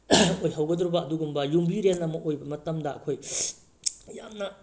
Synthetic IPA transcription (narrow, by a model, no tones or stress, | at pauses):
ojɦawɡɐdɾubɐːduɡumbɐjumbiɾenːɐmɐʔojbɐmɐtɐmdɐɐ̰kʰoj | jamnɐ